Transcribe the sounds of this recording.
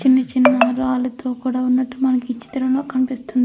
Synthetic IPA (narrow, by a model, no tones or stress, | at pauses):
t͡ʃinːɐt͡ʃinːɐɾaːlut̪ʰo̞ːkuːɽaːunːɐʈːumɐnɐkiit͡ʃːi̥t̪ɐɾɐŋloːkɐnipist̪und̪ii